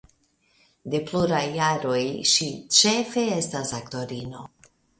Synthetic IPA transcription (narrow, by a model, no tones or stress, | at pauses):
d̪e̞pluɾajːaɾo̞jʃit͡ʃefeestasakt̪oɾino